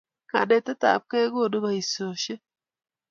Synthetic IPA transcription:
ka̰˨dɛ˦˨tɛ˦ta̰˨p̚kɛ˦ɡo˦˨do˦ba˦i˨so˨ʃe˦

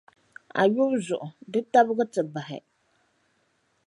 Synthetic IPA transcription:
a̰˨jɥʊ˦zʊ˨ʔʊ˨dɨ˦ta˦bɣɨ˦tɨ˨ba˨ɦɪ̰˨

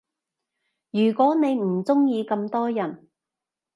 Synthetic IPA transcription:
jyː˨˩kʷɔː˨˥ne˨˧jm̩˨˩t͡sʊ˥ŋjiː˧kɐ˧mt̪ɔː˥jɐ˨˩n

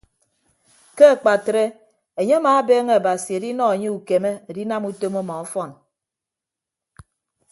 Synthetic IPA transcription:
ke˦a˨k͡pa˨tɾe˦ | e˨ɲe˦a˦maː˨˦beː˦ŋe˦a˨ba˨si˨e˨di˦nɔ˦e˨ɲe˦u˨ke˨me˦e˨di˦na˦mu˦to˦moɔ˦mɔ˨ɔ˦fɔ˦˨n

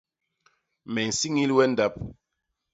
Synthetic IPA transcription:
mɛ˨n̩˨si˦ŋi˦lwɛ˦n̩˦da˦p̚

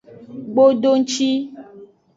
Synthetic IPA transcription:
ɡ͡bo˦ɖo˦ŋ̩˦t͡ʃi˦

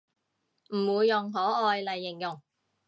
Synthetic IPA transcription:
m̩˨˩wuː˨˧jːʊ˨ŋɦɔː˨˥ʔɔː˧jlɐ˨jːɪ˨˩ŋjʊ˨˩ŋ

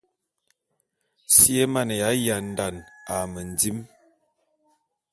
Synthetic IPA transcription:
si˦e˦ma˦˨nə˨ja˨˦ja˨n˨da˨na˨mə˨n˨d͡zi˦m

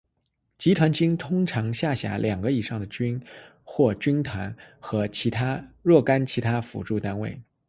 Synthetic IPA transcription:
t͡ɕi˧˥t̪ʰwa˧˥nt͡ɕi˥ŋt̪ʰʊ˥ŋʈ͡ʂʰɑ˧˥ŋɕja˥˩ɕja̰˧˥lʔjɑ˨˩ŋɡə˦i˨˩ʂɑ˥˩ŋd̪ə˩t͡ɕy˥n | xwɔ˥˩t͡ɕy˥nt̪ʰwa˧˥nxɤ˧˥t͡ɕʰi˧˥t̪ʰa˥ɻwɔ˥˩ka˥nt͡ɕʰi˧˥t̪ʰa˥fṵ˨˥ʈ͡ʂu˥˩t̪a˥nwe˥˩ɪ

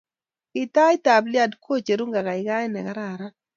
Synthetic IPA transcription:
ɪ˨ta˦jta˨blja˦dkʰo˦t͡ʃe˨ɾu˦ŋɡa˨ka˨ɪ˨ɡa˦ɛ˦nɛ̰˨ɡa˦ɾa˨ɾa˦

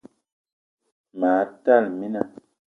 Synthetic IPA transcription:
ma˨˦ta˦˨lmi˦na˦˨

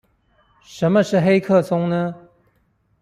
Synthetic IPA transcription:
ʂə˧˥nmə˧ʂɻ̩˥˩xe˥ɪkʰɤ˥˩t͡sʊ˥ŋnə˦

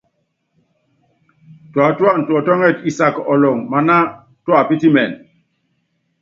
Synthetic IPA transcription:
twa˨twa˦˨n̩˨twɔ˨tɔ˦ŋɛ˦˨ti˨sa˨kɔ˨lɔ˨ŋma˨na˦ | twa˨pi˦ti˦mɛ˨n

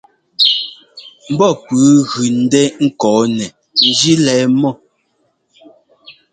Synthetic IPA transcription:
m̩˨˦bɔ˦pʉː˨˦ɣʉ˨n̩˦dɛ˦ŋ̩˦kɔː˨˦nɛ˨ | n̩˦d͡ʒi˦lɛː˨˦mɔ˦

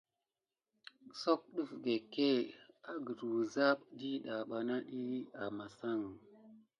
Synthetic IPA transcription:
so˦k̚ɗu˦fɡe˨ke˦a˨ɡə˨ɾu˨za˦ɓdi˦ɗa˨ɓa˨na˦ɗi˦a˨ma˨sa˦˨ŋ

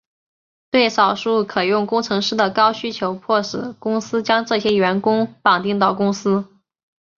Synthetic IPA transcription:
t̪we˥˩ɪʂɑ˨˩ʊʂu˥˩kʰɤ˨˩jʊ˥˩ŋkʊ˥ŋʈ͡ʂʰɤ˧˥ŋʂɻ̩˥˩d̪ə˨˩kɑ˥ʊɕy˥t͡ɕʰjo˧˥ʊpʰwɔ˥˩ʂɻ̩˨˩˦kʊ˥ŋsɹ̩˥t͡ɕjɑ˥ŋʈ͡ʂɤ˥˩ɕjɛ˥ɥɛ˧˥nkʊ˥ŋpɑ˨˩ŋt̪i˥˧ŋt̪ɑ˥˩ʊkʊ˥ŋsɹ̩˥

